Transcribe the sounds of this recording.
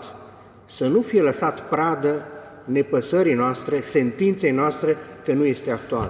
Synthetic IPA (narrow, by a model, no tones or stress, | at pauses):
t̪ | sənufije̞ləsat̪pɾad̪ə | ne̞pəsəɾijnoast̪ɾe̞se̞nt̪int̪se̞jnoast̪ɾe̞kənuje̞st̪e̞ak̚t̪ua̰l